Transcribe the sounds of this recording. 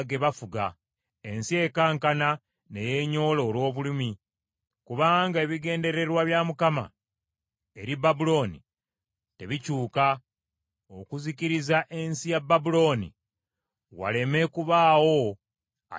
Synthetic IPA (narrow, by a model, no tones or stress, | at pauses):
ɡe̞βafuɡa | e̞nsie̞kaːŋkana | ne̞je̞ɲo̞ːlo̞ːlwo̞ːβulimi | kuβaːŋɡae̞βiɡe̞ːnde̞ɾe̞ɾwaβjamukama̰ | e̞ɾibabulo̞ːnḭ | te̞βicuːka | okuziciɾizaʔe̞nsijabːabulo̞ːnḭ | wa̰le̞me̞kuβaːwo̞ | a̰